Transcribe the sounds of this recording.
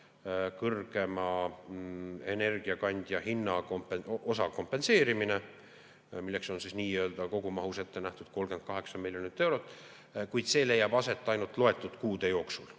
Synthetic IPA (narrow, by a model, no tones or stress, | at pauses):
kɤrɡ̥e̞mɑ | e̞ne̞rɡ̥iɑkɑnʲd̪̥jɑhinːɑkompeʔosɑko̞mpːe̞nse̞ːɾimine̞ | milːe̞kso̞nsisniːøːld̪̥ɑko̞ɡ̥umɑɦuse̞t̪ːe̞næht̪ud̪̥ko̞lɡe̞nd̪̚kɑɦe̞ksɑmiljonit̪ːˑe̞wɾo̞t̪ːˑ | kujd̪̥se̞ːle̞jːɑb̥ɑse̞t̪ˑːɑjnult̪ˑlo̞e̞t̪ˑːut̪kuːd̪̥e̞jo̞ːksul